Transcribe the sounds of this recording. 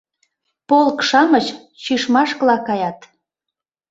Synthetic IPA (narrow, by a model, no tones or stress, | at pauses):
polkʃɑmət͡ɕ | t͡ɕyʃmɑʃkəlɑkɑjɑt̪